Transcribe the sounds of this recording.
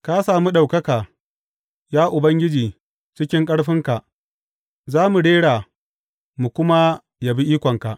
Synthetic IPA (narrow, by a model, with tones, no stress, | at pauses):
ka˦saː˨mu˦ɗa˨wkɐ˦kaː˨ | jaː˦ʔʊ˨bɐ˦ŋɡʲɪ˦d͡ʒiː˨ | t͡ʃɪ˦kʲɪ˦ŋkʼɐ˦ɽɸɪ˦ŋka˨ʔ | zaː˦mu˨ɽeː˦ɽaː˨ | mu˨kʷʊ˦ma˦ | ja˨bi˦ʔiː˦kʷɔ˨ŋka˨ʔ